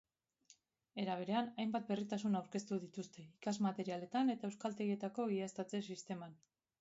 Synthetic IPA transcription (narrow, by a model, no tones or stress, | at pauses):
e̞ɾaβ̞e̞ɾe̞anajmbat̪̚be̞rit̪asunawɾke̞st̪uðit̪ust̪e̞ikazmat̪e̞ɾiale̞t̪ane̞t̪aewskalt̪e̞ɣie̞t̪ako̞ɣiast̪at͡se̞sist̪e̞man